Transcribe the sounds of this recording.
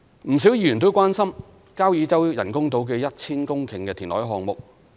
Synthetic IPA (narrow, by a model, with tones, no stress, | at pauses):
m̩˨˩s̬i˨˥wjiː˧˥jy˨˩nt̪o˥wkʷaː˥nsɐ˥m | kaː˥wjiː˨˧t͡sɐ˥wjɐ̰˨˩nkʊ˥ŋt̪̬o˨˥wk̬ɛː˧jɐ˥t̚t͡sʰiː˥nkʊ˥ŋkʰɪ˨˩ŋkɛː˧t̪ʰiː˨˩nlɔ̰ː˨˥jɦɔː˨˧ŋmʊ˨k̚